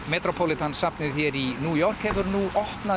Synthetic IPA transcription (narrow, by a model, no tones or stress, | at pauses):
mɛːt̪ɾɔpʰɔlɪt̪ʰansapnɪðθjɛɾinuːjɔr̥khɛvʏɾnuʔɔhpna